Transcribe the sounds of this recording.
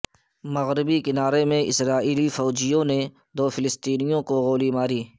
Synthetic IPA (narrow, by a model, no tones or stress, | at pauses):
mɐɣɾɪbikɪnaːɾemẽʔɪ̰sɾaːʔiːlifɔːd͡ʒijõne | d̪oːfʰɪlɪst̪iːnijõkoɣoːlimaːɾiː